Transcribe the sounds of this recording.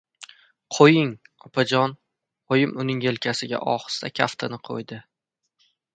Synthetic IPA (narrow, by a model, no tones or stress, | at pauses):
qʰojɪŋɒpʰad͡ʒɒn | ojɪmʊnɪŋje̞lkʲʰasɪɡʲa̰ʔɒχɨ̥st̪akʲʰaft̪ʰɪnɪqʰo̰jd̪ɪ